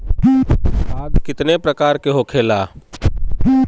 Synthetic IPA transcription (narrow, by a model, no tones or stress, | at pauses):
aːɡkɪt̪nepɾəkaːɾkeɦokʰeːlaː